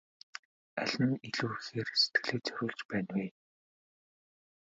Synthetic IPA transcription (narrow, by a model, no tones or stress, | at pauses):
aɮ̥ə̆niɮuːxeːrset̪̚ɡɘ̆ɮeːt͡sœɾʲʊːɮt͡ɕpæːnweː